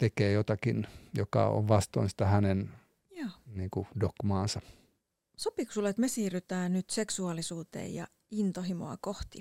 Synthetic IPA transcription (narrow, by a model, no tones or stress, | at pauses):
t̪ekeːjot̪ɑkinjokɑ̰o̰ʋʋɑst̪o̰insi̥t̪ɑhænen | jɑːniːkudokmɑːnsɑ | sopiksulet̪mesiːryt̪æːnyt̪seksuɑlisuːt̪ḛːjjɑ̰ | int̪ohimo̰ɑ̰koht̪i